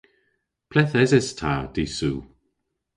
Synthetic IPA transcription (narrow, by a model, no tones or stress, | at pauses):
pʰlɛθɛzɛstʰaːd̥iːsuː